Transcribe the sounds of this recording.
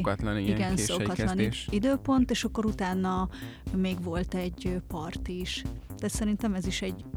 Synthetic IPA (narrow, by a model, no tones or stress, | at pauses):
t̪liɡɛnsokɒt̪lɒniid̪øːpo̞nt̪eːʃɒkːo̞ɾut̪aːnːɒmeːɡʋo̞lt̪ɛɟːøpɒrt̪iʃt̪aːt̪sɛɾint̪ɛmɛziʃɛɟ